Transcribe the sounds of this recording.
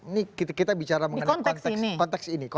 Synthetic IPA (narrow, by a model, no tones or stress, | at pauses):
nikit̪kit̪abit͡ʃaɾaməiŋənkɔnt̪ɛnk̪inikɔnt̪ɛksiniko